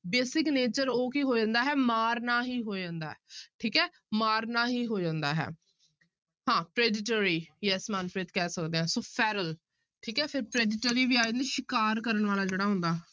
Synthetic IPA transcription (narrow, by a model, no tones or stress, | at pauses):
beːsɪkneːt͡ʃəɾoːkiːɦoːd͡ʒãːnd̪aːɦɛːmaːɾnaːɦiːɦoːd͡ʒãːnd̪a̰ːɛʈʰiːkɛː | maːɾnaːɦiːɦoːd͡ʒãːnd̪a̰ːɦɛ̰ː | hãːpɾeːɖɪʈoːɾiːjɛsmaːnpɾeːt̪kɛːsəkd̪eːɦɛ̃ːsoːpʰɛːɾəl | ʈʰiːkɛːpʰɪɾpɾeːɖɪʈəɾiːʋiːaːd͡ʒãːnd̪iʃɪkaːɾkəɾəɳʋaːlaːd͡ʒeːɽaːɦʊ̃nd̪aː